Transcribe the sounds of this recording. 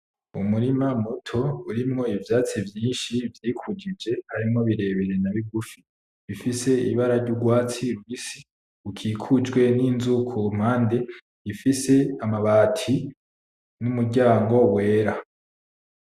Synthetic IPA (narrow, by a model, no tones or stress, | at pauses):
umuɾimamutʰo̞uɾimŋo̞ivjaːt͡sivjĩːnʃivjiːkʰud͡ʒid͡ʒe̞haɾimŋo̞βiɾe̞βeɾe̞naβiɡufi | βifise̞iβaɾaɾɟuɡwaːt͡siɾuβisi | ukʰiːkʰud͡ʒɡwe̞ninzukʰum̥haːnde̞ | ifise̞amaβaːtʰi | numuɟaːŋɡo̞we̞ːɾa